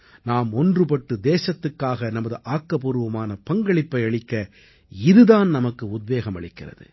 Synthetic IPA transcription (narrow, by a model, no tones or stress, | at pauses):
naːmɔndrɯpɐʈːɯd̪eːsɐt̪ːɯkːaːɣɐnɐmɐðɯʔaːkːɐpɔɾɯʋɐmaːnɐpɐŋɡɐɭɪpːɐɪɐɭɪkːɐ | ɪðɯðaːnnɐmɐkːɯʊd̪̚ʋeːɣɐmɐɭɪkːɪrɐ̰ðɯ̰